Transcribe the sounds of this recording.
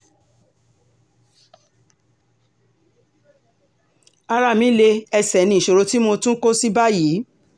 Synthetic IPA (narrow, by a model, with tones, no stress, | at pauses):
a˧ɾa˦˨mĩ˨˦le˧ɛ˧sɛ˨nĩ˧˨i˨ʃo˨ɾo˧ti˦mo˧tũ˦ko˦si˦ba˦ji˨˦